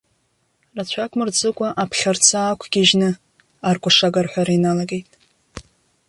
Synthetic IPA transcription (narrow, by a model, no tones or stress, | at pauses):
rat͡ɕʷʰakʷʼmɨrd͡zɨkʷʼaʔapʰχʲart͡sʰaːkʷʰɡʲiʒnɨ | arkʷʼaʂaɡarħʷᶣaɾainalaɡe̞jtʼ